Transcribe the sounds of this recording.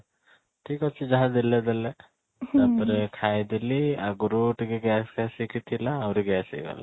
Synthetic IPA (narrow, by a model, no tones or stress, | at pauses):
ʈʰiːkɔt͡ʃʰid͡ʒaɦãd̪ilɛd̪elɛ | apɾekʰajd̪iliaɡɾuʈɡeɡɛsɡɛsikit̪ʰilaːwɾiɡɛsḭɡa̰la